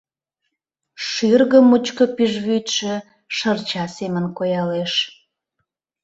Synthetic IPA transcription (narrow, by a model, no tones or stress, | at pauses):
ʃyrɣəmːut͡ɕkə̆piʒβyt̪ʃĕ | ʃərt͡ɕɑsemənkojɑleʃ